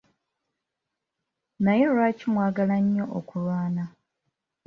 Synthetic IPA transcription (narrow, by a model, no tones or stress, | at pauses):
naje̞lwaːcimwaːɡalaɲːo̞ʔokulwaːna